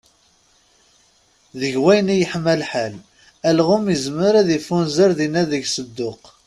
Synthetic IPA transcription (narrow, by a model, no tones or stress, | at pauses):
ðəʝwæjnijəħmːælħal | ælʁʊməzməɾæðifunzəɾðinæðəʝsəd̪ːʊq